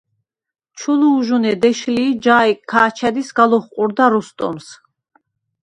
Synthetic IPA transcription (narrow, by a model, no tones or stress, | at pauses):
t͡ʃʰuluːʒunɛd̪ɛʃliːd͡ʒaːiːaːt͡ʃʰɛd̪isɡalɔχqʼuɾd̪aɾust̪ʼɔ̰ms